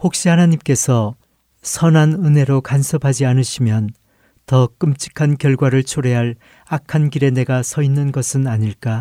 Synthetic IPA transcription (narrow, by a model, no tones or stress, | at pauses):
hok̚ɕ͈ihanaɲimk͈e̞sʰʌ | sʰʌnanɯne̞ɾokansʰʌpʰad͡ʑianɯɕʰimjʌn | tʌk͈ɯmt͡ɕ͈ʰi̥kʰankjʌɭɡwaɾɯɭt͡ɕʰoɾeɦaɭ | akʰankiɾe̞ne̞ɡasʰʌinːɯnɡʌsʰɯnaɲiɭk͈a